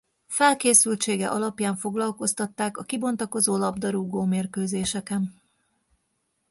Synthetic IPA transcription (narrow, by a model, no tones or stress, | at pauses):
fɛlkeːsylt͡ʃeːɡɛ̰ʔɒlɒpjaːɱfo̞ɡlɒlko̞st̪ɒt̪ːaːkɒkibo̞nt̪ɒko̞zoːlɒbd̪ɒɾuːɡoːmeːrkøːzeːʃɛkɛn